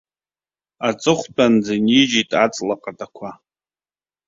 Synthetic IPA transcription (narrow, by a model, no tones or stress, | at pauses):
at͡sʼɨχʷt͡pʼand͡zanid͡ʒitʼat͡sʼlaqʼatʼakʷʰa